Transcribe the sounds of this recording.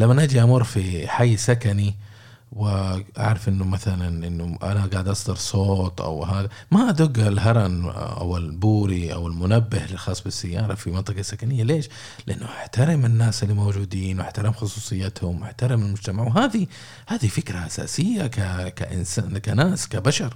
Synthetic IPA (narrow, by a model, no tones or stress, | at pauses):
lamːanʔad͡ʒiʔamʊɾˤfiħajːsakani | wɪʔa̰ʕɾˤɑfʔɪnːʊmaθalanʔɪnːʊʔa̰naɡaːʕd̪ʔɑsˤd̪ɑɾsˤoːt̪ˤʔa̰wɦaːðamaʔad̪ʊɡːalɦɑɾˤɑnʔa̰wɪlbuːɾiʔa̰wɪlmʊnabːɪhlɪlxɑːsˤːbɪsːajːɑːɾˤɑfimɪnt̪ˤɨqɑsːakanɪjːaleːʃ | lɪʔanːʊʔaħt̪aɾɪmɪnːaːsɪlːimowd͡ʒuːd̪iːnwʔaħt̪aɾɪmxʊsˤuːsˤɨjːat̪hʊmwʔaħt̪aɾɪmɪlmʊd͡ʒt̪amaʕwɦaːði | haːðifɪkɾaʔasa̰ːsɪjːakaka̰ʔɪ̰nsaːkanaːskabaʃɑɾˤ